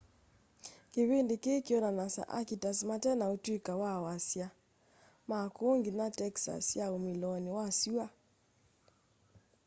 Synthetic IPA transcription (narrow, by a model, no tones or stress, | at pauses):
keβendekekjɔnanasa̰ʔa̰kitasmatɛnaotwikawawasja | makoŋɡinatɛksa̰sjaomilɔnewasua